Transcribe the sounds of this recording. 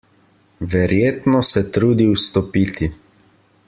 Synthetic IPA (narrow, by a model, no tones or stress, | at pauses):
ʋɛɾjeːt̪nɔsɛt̪ɾuːd̪iwst̪ɔpiːt̪i